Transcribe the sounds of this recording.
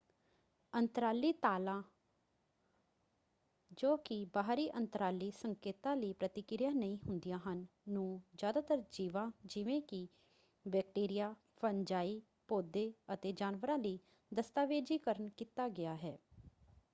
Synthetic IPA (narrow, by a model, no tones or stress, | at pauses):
ənt̪əɾaːliːt̪aːlãː | d͡ʒoːkɪbaːɦɾiːʔənt̪əɾaːliːsəŋkeːt̪ãːləiːpɾət̪ɪkɪɾjãːnəĩːɦʊnd̪ijãːɦənːũːd͡ʒjaːd̪aːt̪əɾd͡ʒiːʋãːd͡ʒɪʋẽːkɪ | bɛːk̚ʈeːɾɪjaː | pəɲd͡ʒaːiː | poːd̪eːət̪eːd͡ʒaːnʋəɾãːləiː | d̪əst̪aːʋeːd͡ʒiːkəɾənkiːt̪aːɡɪaːɦɛː